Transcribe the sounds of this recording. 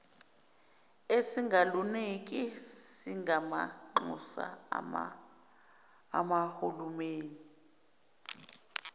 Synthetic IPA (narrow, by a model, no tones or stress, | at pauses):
esiŋɡʱalunek̬ʼisiŋɡʱama̰ŋ͡ǃṵsa̰ | amahulumeːni